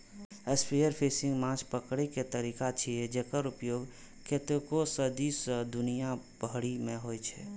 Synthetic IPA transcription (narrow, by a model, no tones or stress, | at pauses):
əspʰijəɾpʰeːsɪ̃ŋɡmãːt͡ʃʰpəkɽeket̪əɾiːkat͡ʃʰied͡ʒekəɾʊpjoːɡ | ket̪kosəd̪isd̪ʊnijabʱəɽimẽɦoːjt͡ʃʰɛ